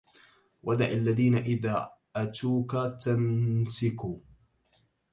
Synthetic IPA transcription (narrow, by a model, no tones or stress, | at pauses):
wʔad̪aʕalːaðiːnaʔɪðaːʔat̪uːkat̪ansɪkuː